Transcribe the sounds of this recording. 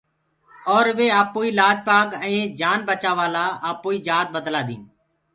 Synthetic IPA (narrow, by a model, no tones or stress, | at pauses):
ɔːɾʋeːaːpoːiːlaːd͡ʒpaːkəẽːd͡ʒaːnbət͡ʃaːʋaːlaːaːpoːiːd͡ʒaːt̪̚bəd̪laːd̪ḭ̃ːn